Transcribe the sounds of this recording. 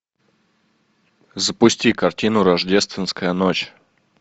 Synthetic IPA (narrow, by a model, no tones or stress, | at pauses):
zəpʊsʲtʲikɐrtʲinʊɾɐʐdʲest̪vʲɪnskəjənot͡ɕ